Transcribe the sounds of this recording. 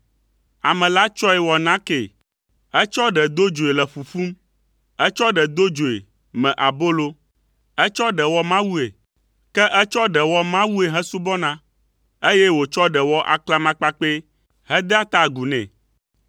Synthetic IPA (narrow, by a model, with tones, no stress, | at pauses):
a˨mɛ̃˨la˦t͡ʃɔ˦ɛ˨wɔ˨nã˦ke˨ | ɛ˦t͡ʃɔ˦ɖɛ˨d̪o˦d͡ʒo˨e˨lɛ˨ɸu˨fu˦m | ɛ˦t͡ʃɔ˦ɖɛ˨d̪o˦d͡ʒo˨ḛ˨ | mɛ̃˨ʔa˨bo˦lo˦ | ɛ˦t͡ʃɔ˦ɖɛ˨wɔ˦mã˦wu˦e˨ | kɛ˦ʔɛ˦t͡ʃɔ˦ɖɛ˨wɔ˦mã˦wu˦e˨ɦɛ̃˦su˦bɔ˦nã˦ | e˦je˦wo˨t͡ʃɔ˦ɖɛ˨wɔ˦ʔa̰˨kla˦mã˦k͡pa˦k͡pe˦ | ɦɛ˦d̪ɛ˦a˦t̪a˦˨ɡu˨nɛ̰̃˨